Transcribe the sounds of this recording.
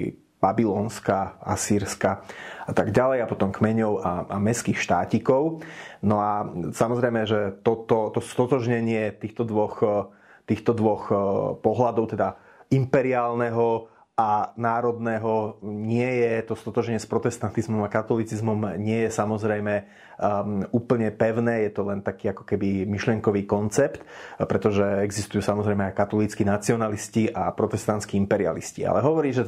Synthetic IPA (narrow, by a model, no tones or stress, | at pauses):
b̥abilɔːnskaa̰siːɾskaat̪aɡɟalɛjapɔt̪ɔmkmɛɲɔʊaa̰mɛskixʃt̪aːcikɔʊnɔasamɔzɾɛjmɛʒɛt̪ɔt̪ɔt̪ɔst̪ɔt̪ɔʒɲɛɲɪɛt̪iːxt̪ɔd̪ʋɔx | t̪iːxt̪ɔd̪ʋɔxpɔɦlad̪ɔʊt̪ɛd̪a | impɛɾiaːlnɛɦɔ | ʔanaːɾɔd̪nɛːɦɔɲɪɛjɛt̪ɔst̪ɔt̪ɔʒɛɲɪɛspɾɔt̪ɛst̪ant̪izmɔmakat̪ɔlit͡sizmɔmɲɪɛjɛsamɔzɾɛjmɛ | uːpl̩ɲɛpɛʊnɛːjɛt̪ɔlɛnt̪akiːakɔ̥kɛbimiʃlɪɛŋkɔʋiːkɔnt͡sɛpt̪pɾɛt̪ɔʒɛɛɡzist̪ujuːsamɔzɾɛjmɛajkat̪ɔlit͡skinat͡siɔnalisciʔapɾɔt̪ɛst̪ant͡skiimpɛɾia̰lḭscḭa̰lɛɦɔʋɔɾiːʒɛ